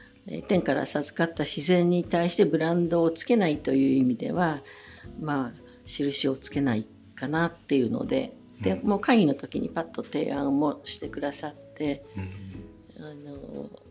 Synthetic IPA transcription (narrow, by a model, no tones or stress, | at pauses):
ḛt̪ẽ̞ŋkaɾa̰sazɨ̥kat̪ːaɕizẽ̞ɲ̟ːit̪aiɕi̥t̪e̞bɯ̟ɾãnd̪o̞ːt͡sɨ̥ke̞nait̪o̞jɯ̟ːimʲid̪e̞̰βa | maː | ɕiɾɯ̟ɕio̞t͡sɨ̥ke̞nai | kanat̪ːe̞jɯ̟no̰d̪e̞̰ | d̪̥e̞mo̞ːkaĩino̞t̪o̞kʲiɲ̟ḭpat̪ːo̞t̪e̞̰ːãɰmoɕi̥t̪e̞kɯ̟d̪asat̪ːe̞ | ano̰